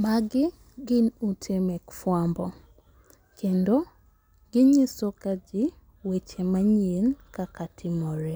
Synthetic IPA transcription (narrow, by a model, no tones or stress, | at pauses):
maɡɪ | ɡɪnutʰemɛkfwambɔ | kʰendo | ɡ̥ɪɲisokad͡ʒɪ | wet͡ʃemaɲenkakatʰɪmɔɾɛ